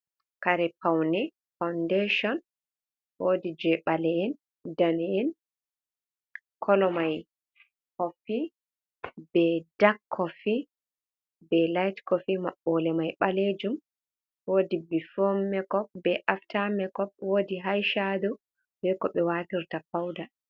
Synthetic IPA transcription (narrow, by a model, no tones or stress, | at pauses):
kaɾɛpawnɛ | fawndeʃɔn | wodid͡ʒɛɓalɛɛn | danɛɛn | kʰɔlɔmaj | hɔfi | bɛdakʰːɔfi | bɛlajtkɔfimaɓːɔlɛmajɓaled͡ʒum | wodibifɔmːɛkɔp̚bɛʔaftamɛkɔp̚woːdiɦajʃadu | bɛkɔɓɛwatiɾtafawda